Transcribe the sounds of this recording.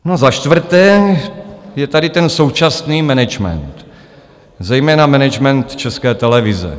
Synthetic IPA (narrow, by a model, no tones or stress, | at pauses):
nozaʃt̪vr̩t̪ɛː | jɛt̪adɪt̪ɛnso̞wt͡ʃasniːmɛnɛd͡ʒmɛ̰nt̪ | zɛjmɛːnamɛnɛd͡ʒmɛnt̪t͡ʃɛskɛːt̪ɛlɛvɪzɛ̰